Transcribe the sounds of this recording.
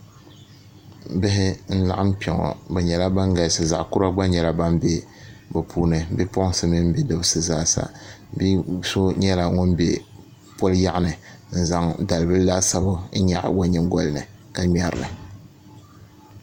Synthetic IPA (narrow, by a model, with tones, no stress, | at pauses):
bɪ˦ɦɪ˦n̩˦la̰˨ʔa˦m̩˦pɛ˨ŋɔ̰˨bɛ˨ɲɛ˨la˦ba˦ŋɡa˨˦sɨ˨za˨ʔkʊ˦ɾa˦ɡ͡ba˦ɲɛ˨la˦ba˦m˦be˦ | bɨ˨pʰuː˦nɨ˨˦bɛ˦pɔ˦ʔsɨ˦mɨ˦m˦be˦dɨ˦bsɨ˨zaː˦sa̰˨ | bi˦so˦ɲɛ˦la˨ŋo˦n˦bḛ˦ | pɔ˦lja˦ʔnɨ˨n̩˦za˦ŋda˨lɨ˨bɨ˦la˦sa˦bʊ˦n̩˦ɲa˨ʔwa˦ɲɪ˨mɡɔ˦lɨ˨nɨ˨ | ka˨mɛ˦ɾɨ̰˨nɨ̰˨